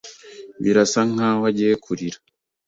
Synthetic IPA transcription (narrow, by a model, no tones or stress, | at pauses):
βḭɾasaŋawaɟekʰuɾiɾḁ